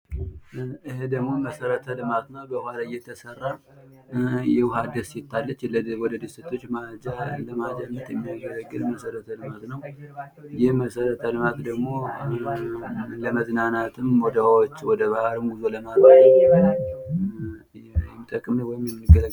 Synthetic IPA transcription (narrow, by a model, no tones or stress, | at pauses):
ʔɨhed̪əɡmo̞məsəɾət̪ʰəlɨmat̪nawbəhalaɨjːɛt̪ʰəsərːa | jɛwʊɦad̪əset̪ːalːət͡ʃːləwɔd̪əd̪ɨsət̪ʰo̞t͡ʃːmad͡ʒaləmad͡ʒanːət̪ʼjɛmːijaɡələɡːɨd̪məsəɾət̪ʰəlɨmat̪nəw | jɪhməsəɾət̪ʰəlɨmat̪d̪əɡmo̞ | ləməznanat̪ʰɨmwɔd̪awwot͡ʃːwɔd̪əβahaɾɨmɡuzoləmaaɛmːibal | jɛmːit̪ʼəkʼːɨməwɔjɪmjɛmːnːɨɡələ